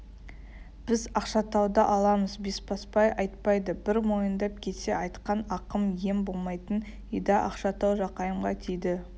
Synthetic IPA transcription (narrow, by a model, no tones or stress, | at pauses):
b̥ɪzɑqʃɑt̪ʰɑwd̪ɑʔɑlˠɑməzbe̞spʰɑspɑjʔɑjt̪̚pɑjd̪əbɪɾmo̞jənd̪ɑp̚kʲʰe̞t̪se̞ʔɑjt̪qɑnɑqəmje̞mbo̞lˠmɑjt̪ən | ijd̪ɑʔɑ̰qʃɑt̪ɑwʒɑqɑjəmʁɑt̪ʰejd̪ɪ